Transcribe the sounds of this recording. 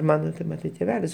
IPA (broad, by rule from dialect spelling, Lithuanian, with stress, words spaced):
ˈmɑːnoː tʲɛn ˈmɑːtɐɪ tʲeːˈʋʲæːlʲɪs